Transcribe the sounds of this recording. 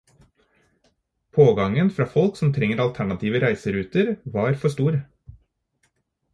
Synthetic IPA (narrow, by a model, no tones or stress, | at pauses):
pʰoːɡɑŋənfɾɑːfɔlksɔmt̪ʰɾɛŋːəɾɑlt̪ʰæɳɑt̪ʰiːʋəɾæɪsəɾʉːt̪əɾʋɑːɾfɔʂt̪uːɾ